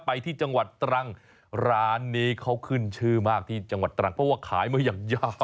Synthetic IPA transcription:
pa˧jt̪ʰiː˥˩t͡ɕa˧ŋwa˨˩t̪ːɾa˦˥˩ŋ | ɾaː˦˥nːiː˦˥kʰa˦˥wkʰɯ˥˩nt͡ɕʰɯː˥˩maː˥˩k̚t̪ʰiː˥˩t͡ɕa˧ŋwa˨˩t̪ːɾa˦˥˩ŋpʰɾɔ˦˥waː˥˩kʰaː˩˦jmaː˧˥jaː˨˩ŋjaː˧˩

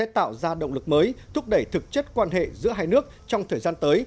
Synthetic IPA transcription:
ɛ̰˧˥t̪a̰ː˧˨wzaː˧ɗə̰˧˨ŋ͡mlɨ˨˩k̚məː˨˦jt̪ʰʊ˦˥p̚ɗə˧˩jt̪ʰɨ˨˩k̚t͡ɕə˦˥t̚kwaː˧nɦḛ˧˨zɨ̰˧˥əɦaː˧jnɨ˦˥ək̚t͡ɕɔ˧wŋ͡mt̪ʰəː˨˩jzaː˧nt̪əː˨˦j

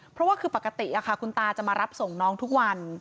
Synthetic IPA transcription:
pʰɾɔ˦˥waː˥˩kʰɯː˧pa˨˩kːa˧t̪i˨˩ʔa˨˩kʰa˥˩kʰu˧nt̪aː˧t͡ɕa˨˩maː˧ɾa˦˥p̚so˨˩ŋnɔː˦˥ŋt̪ʰu˦˥k̚wa˧n

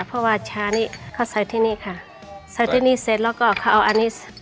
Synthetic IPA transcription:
pʰɔ˧waː˧˨t͡ɕʰaː˧˥niː˧˨kʰa˧˩wsa˨˦t̪ʰiː˧˨niː˧˨kʰa˧˩ | sa˨˦t̪ʰiː˧˨niː˧˥˨se˨˦t̪̚lɔ˧˩kɔː˧˩kʰa˧˩ʔa˧˩ʔa˧niː˧˥˨

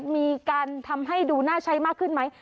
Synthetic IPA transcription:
t̪̚miː˧kaː˧nt̪ʰa˧mɦa˥˩jduː˧naː˥˩t͡ɕʰa˦˥jmaː˥˩kʰːɯ˥˩nma˦˥j

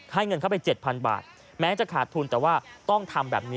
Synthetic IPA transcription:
ha˥˩jŋɤ˧nkʰa˥˩wpa˧jt͡ɕe˨˩t̪̚pʰa˧nba̰ː˨˩t̪̚ | mɛː˦˥t͡ɕa˨˩kʰaː˨˩t̪ʰːuː˧nt̪ɛː˨˩waː˥˩t̪ɔ˥˩ŋt̪ʰa˧mbɛ̰ː˨˩p̚niː˦

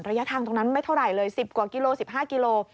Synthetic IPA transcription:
nɾa˧ja˦˥t̪ʰaː˧ŋt̪̬o˧ŋna˦˥nma˥˩jt̪ʰa˥˩ɾa˨˩jlɤː˧jsi˨˩p̚ku˨˩ki˧loː˧si˨˩p̚hɦaː˥˩ki˧loː˧

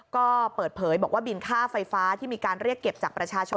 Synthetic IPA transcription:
kɔː˥˩pɤː˨˩t̪̚pʰɤː˩˦jbɔː˨˩kwaː˥˩bi˧nkʰaː˥˩fa˧jfaː˦˥t̪ʰiː˥˩miː˧kaː˧nɾi˥˩əkːe˨˩p̚t͡ɕaː˨˩k̚pɾa˧t͡ɕʰaː˧t͡ɕʰo˧

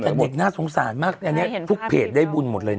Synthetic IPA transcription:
t͡ɕa˧˩be˨˩naː˥˩so˩˦ŋsaː˩˦nmaː˥˩k̚ʔa˧nːi˦˥ɐ˩t̪ʰu˦˥k̚pʰeː˨˩t̪̚daː˥˩jbu˧nmo˨˩lɤː˧

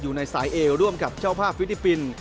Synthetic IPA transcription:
juː˨˩na˧jsaː˩˦jʔeː˧ɾu˥˩əmka˨˩p̚t͡ɕʰaː˥˩wpʰaː˥˩p̚ʰːi˦˥t̚li˦˥pːi˧n

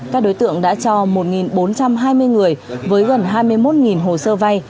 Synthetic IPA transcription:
kaː˦˥k̚ɗo˨˦jt̪ɨ̰˧˨əŋɗa̰ː˧˥t͡ɕɔ˧mo˨˩t̚ŋi˨˩nɓo˨˦nt͡ɕa˧mɦaː˧jmɨ˧əjŋɨ˨˩əjvəː˨˦jɣə˨˩nɦaː˧jmɨ˧əjmo˦˥t̚ŋi˨˩nɦo˨˩səː˧va˧j

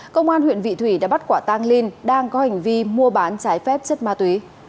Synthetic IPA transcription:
kə˧wŋ͡mʔaː˧nhwḭ˧˨ənvḭ˧˨t̪ʰwi˧˩ɗa̰ː˧˥ɓa˦˥t̚kwaː˧˩t̪aː˧ŋli˧nɗaː˧ŋkɔ˨˦ha˨˩jŋ̟vi˧mu˧əɓaː˨˦nt͡ɕaː˨˦jfɛ˦˥p̚t͡ɕə˦˥t̚maː˧t̪wi˨˦

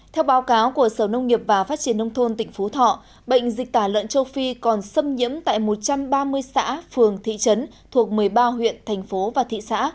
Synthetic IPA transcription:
t̪ʰɛ˧wɓaː˨˦wkaː˨˦wku˧˩əsəː˧˩wnə˧wŋ͡mŋi˨˩əp̚vaː˨˩faː˦˥t̚t͡ɕi˧˩ənːə˧wŋ͡mt̪ʰo˧nt̪ï˧˩ŋ̟fo˨˦t̪ʰɔ̰˧˨ | ɓə̰˧˨jŋ̟zï˨˩k̚t̪aː˧˩lə̰˧˨nt͡ɕə˧wfi˧kɔ˨˩nsə˧mɲḭ˧˥əmt̪a̰ː˧˨jmo˨˩t̚t͡ɕa˧mɓaː˧mɨ˧əjsa̰ː˧˥fɨ˨˩əŋt̪ʰḭ˧˨t͡ɕə˨˦n | t̪ʰu˨˩ək̚mɨ˨˩əjɓaː˧ɦwḭ˧˨ənt̪ʰɛ˨˩jŋ̟fo˨˦vaː˨˩t̪ʰḭ˧˨sa̰ː˧˥

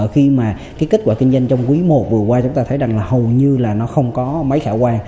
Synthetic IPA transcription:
xi˧maː˨˩kaː˨˦jki˦˥t̚kwaː˧˩kï˧ŋ̟zə˧jŋt͡ɕɔ˧wŋ͡mkwi˨˦mo˨˩t̚vɨ˨˩əkwaː˧t͡ɕʊ˨˦ŋ͡mt̪aː˧t̪ʰə˨˦jza˨˩ŋlaː˨˩ɦə˨˩wɲɨ˧laː˨˩nɔ˨˦xə˧wŋ͡mkɔ˨˦ma˨˦jxaː˧˩kwaː˧ŋ

